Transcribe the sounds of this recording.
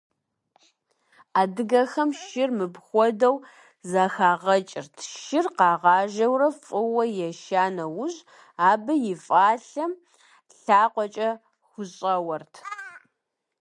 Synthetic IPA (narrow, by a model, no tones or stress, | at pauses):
aːdɨɡɐxɐmʃɪrmɨbxʷɔdɐw | zaxaːʁɐt͡ʃʼɪrtʰʃɪrqɑːʁɑːʒɐwrɐfʼɨwɐjɛʃaːnɐwʊʑ | aːbɐjɪfʼaːɬɐm | ɬaːqʷɔt͡ʃʼɐ | xʷʊɕʼɐwɐrtʰ